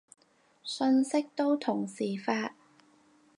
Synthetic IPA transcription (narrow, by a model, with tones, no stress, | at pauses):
sɵ˧nsɪ˥k̚t̪o˥wt̪ʰʊ˨˩ŋsiː˨˩faː˧t̚